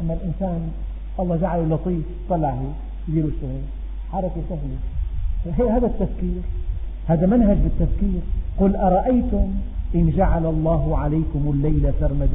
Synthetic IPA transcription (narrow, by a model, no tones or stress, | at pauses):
ʔanːalʔɪnsaːn | ʔɑlˤːɑːd͡ʒaʕalulɑt̪ˤiːft̪ˤːɑlːaʕhe | jd̪iːluʃːʊɣeːl | ħɑɾˤɑkasahlɪaɦeʔɦaːd̪at̪ːafkiːɾ | haːd̪amanɦad͡ʒbɪt̪ːafkiːɾqʊlːʔɑɾˤɑʔajt̪ʊmʔɪnd͡ʒaʕalalˤːɑːɦʊʕalajkʊmʊlːajlasɑɾˤmad̪